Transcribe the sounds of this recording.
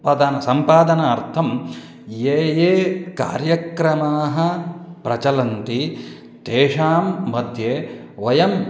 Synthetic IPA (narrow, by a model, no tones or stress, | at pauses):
d̪anɐsɐmpaːd̪ɐnɐːɾt̪ʰɐm | jeːjeːka̰ːɾjɐkɾɐmaːɦɐ̆pɾɐt͡ʃɐlɐnt̪i | t̪eːʂaːmːɐd̪ʱjeː | ʋɐjɐm